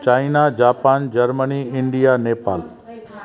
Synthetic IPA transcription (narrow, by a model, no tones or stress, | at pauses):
t͡ʃaːɪnad͡ʒaːpaːnd͡ʒɐɾməniɪɳɖijaneːpa̰ːl